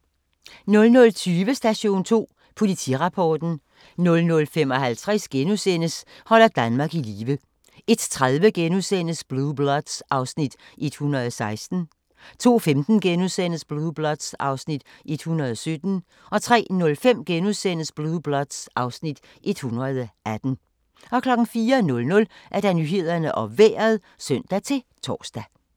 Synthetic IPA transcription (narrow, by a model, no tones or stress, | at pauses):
nɔ̽lnɔ̽lt͡sʰyːʋəsd̥æɕo̝̰ːnt͡sʰo̝̰ː | pʰo̝lit͡sʰḭʁɑ̈pʰɒːd̥n̩ | nɔ̽lnɔ̽lfemɒ̽hælt͡sʰʁɛsɡ̥enusen̰əshɒ̽l̰ɐd̥ænmɑ̈ːɡ̥iliːʋə | e̝d̥t͡sʰʁaðˠʋəɡ̥enusen̰əsb̥lub̥lɒd̥sʔɑ̈ʊsnid̥ʔe̝d̥hunɐðˠɒsɑ̈ɪsd̥n̩ | t͡sʰo̝̰ːfemd̥n̩ɡ̥enusen̰əsb̥lub̥lɒd̥sɑ̈ʊsnid̥ʔe̝d̥hunɐð̞ˠɒsød̥n̩ | ʔɒ̽t͡sʰʁɛ̰ːnɔ̽lfem̰ɡ̥enusen̰əsb̥lub̥lɒd̥sʔɑ̈ʊsnid̥ | ʔe̝d̥hunʁɐð̞ˠæd̥n̩ | ɒ̽kʰlɒ̽ɡ̥ŋ̩fiːɐnɔ̽lnɔ̽lʔæɐd̥ɑ̈nyɦe̝ð̞̰ˠɐnəʔɒ̽ʋḛːɐðˠ | sœn̰d̥æt͡sʰe̝t͡sʰɒ̰ːsd̥æ